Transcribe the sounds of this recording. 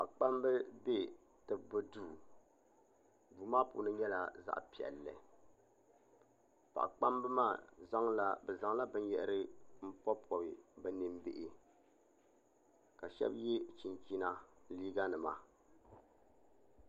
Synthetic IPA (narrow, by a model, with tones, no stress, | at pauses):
pa̰˨ʔk͡pa˦mbɨ˦be˦ | tɨ˨bɨ˨duː˦˨ | duː˨maː˦pṵ˨˦nɨ˦ɲɛ˦la˨za̰˦ʔpi˨ɛ̰˨lːɨ̰˨ | pa̰˨ʔk͡pa˦mbɨ˦maː˦˨za˦ŋla˨bɛ˨za˨ŋla˦bɨ˦n˦jɛ˨ʔɾɨ˦m̩˦pɔ˦pɔ˨bi˨bɛ˨nɨ˨mbɪ˨ʔɪ˨ | ka˨ʃɛ̰˦bjɛ˦t͡ʃi˨nki˦na˦liː˦ɡa˦nɨ˨ma˨